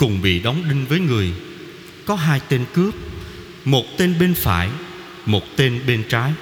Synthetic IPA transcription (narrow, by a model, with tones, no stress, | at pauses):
kʊ˨˩ŋ͡mɓḭ˧˨ɗɔ˨˦wŋ͡mɗï˧ŋ̟vəː˨˦jŋɨ˨˩əj | kɔ˨˦ɦaː˧jt̪e˧nkɨ˦˥əp̚ | mo˨˩t̚t̪e˧nɓe˧nfa̰ː˧˩j | mo˨˩t̚t̪e˧nɓe˧nt͡ɕaː˨˦j